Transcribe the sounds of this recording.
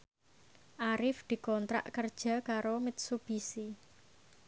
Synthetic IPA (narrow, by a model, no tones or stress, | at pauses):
ʔaɾɪfd̪̥i̤kɔnt̪ɾa̰ʔkərd̥ʒ̥a̤kaɾomɪt̪̚sub̥isi